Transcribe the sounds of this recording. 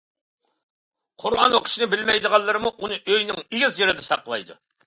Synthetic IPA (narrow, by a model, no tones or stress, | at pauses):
qʰʊɾʁɑ̰nwoqʰə̥ʃinɨbɪlmɛjd̪əʁɑnlˠːɨɾɨmuʔunɨʔøjnɪŋiɡʲizjeɾɪd̪ɛsɑqəlˠɑ̰jd̪ṵ